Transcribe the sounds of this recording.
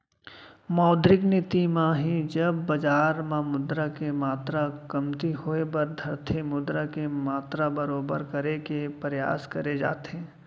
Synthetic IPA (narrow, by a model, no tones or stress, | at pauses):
mɔːd̪ɾɪknɪt̪imãɦid͡ʒɐbːɐd͡ʒaːɾmãmʊd̪ɾakemaːt̪ɾakɐmt̪ihoebɐɾd̪ʱɐɾt̪ʰimʊd̪ɾakemaːt̪ɾabɐɾoːbə̰ɾkɐɾekepəɾja̰ːskɐɾed͡ʒa̰ːt̪ẽː